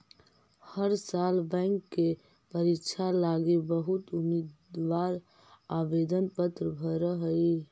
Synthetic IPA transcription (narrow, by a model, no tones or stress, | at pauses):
həɾsalbɛ̃ŋkːe | pəɾikt͡ʃʰalaɡebəɦut̪umid̪ʋaɾ | abed̪ənpət̪ɾəbʱəɾəɦə